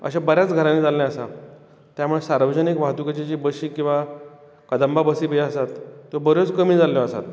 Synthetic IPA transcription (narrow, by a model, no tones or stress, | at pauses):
ə̰ɕabəɾjat͡sɡʱəɾanːid͡zalnjaəsa | t̪ːjamuɭesaɾʋəd͡ʑənikʋaɦt̪ukat͡ɕat͡ɕiːbəɕiːkĩw̃ʋa | kəd̪əmbabəsiːbəsat̪ːobəɾjot͡skəmiːd͡zaljɔəsa̰t̪